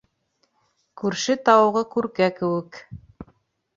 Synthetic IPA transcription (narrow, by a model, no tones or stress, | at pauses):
kʉɾʃɘt̪ɑwɤʁɤkʉɾkækɘ̆wɘ̆k